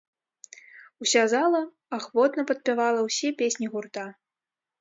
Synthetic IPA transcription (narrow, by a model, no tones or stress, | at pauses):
usʲazalˠɐ | axvɔt̪nɐpɐt̪̚pʲivalˠɐwsʲɛpʲesʲnʲiɣurt̪a